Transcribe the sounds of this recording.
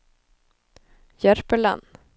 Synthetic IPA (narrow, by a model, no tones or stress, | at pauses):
jæɾpəɭa̰n